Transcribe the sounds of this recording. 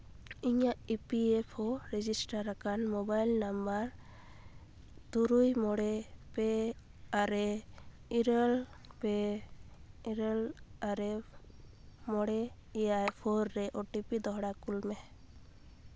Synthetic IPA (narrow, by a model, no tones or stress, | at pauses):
iɲaʔipiepʰɔɾɛd͡ʒisʈaɾːakanmɔbajlnambaɾ | t̪uɾujmɔɽɛpɛ | aɾɛ | iɾel | pɛ | ɾɛlaɾɛ | mɔɽɛɛjajpʰɔɾːɛʔoʈipid̪ɔɦɽakulmɛ